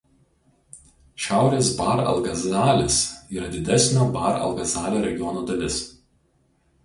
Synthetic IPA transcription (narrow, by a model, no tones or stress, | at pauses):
ʃʲæˑʊɾʲeːsbɐɾɐ̰lˠɡɐzɑːlʲɪsiːɾɐd̪ʲɪd̪ʲɛsʲnʲoːbɑˑɾɐ̰lˠɡɐzɑːlʲoːɾʲɛɡʲɪjɔnoːd̪ɐlʲɪs